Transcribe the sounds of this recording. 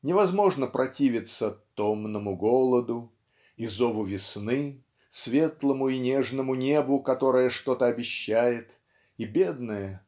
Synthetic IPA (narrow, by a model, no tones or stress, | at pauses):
nʲɪvɐzmo̞ʐnəpɾʔɐtʲivʲɪt̪sət̪omnəmʊɡolˠəd̪ʊ | izovʊvʲɪsnɨ | svʲe̞t̪lˠəmʊinʲeʐnəmʊnʲe̞bʊkɐt̪o̞ɾəjəʂt̪o̞t̪əɐbʲɪɕːæjɪt̪ | ibʲed̪nəjə